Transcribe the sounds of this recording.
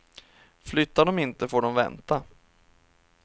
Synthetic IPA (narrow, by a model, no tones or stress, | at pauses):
flʏt̪ːaɖɔmɪnt̪əfoːɖɔmvɛ̰nt̪a